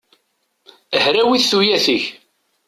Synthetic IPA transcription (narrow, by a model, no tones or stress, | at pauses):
əhɾæwiθθujæθəç